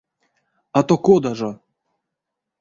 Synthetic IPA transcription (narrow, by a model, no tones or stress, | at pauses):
at̪okod̪aʐo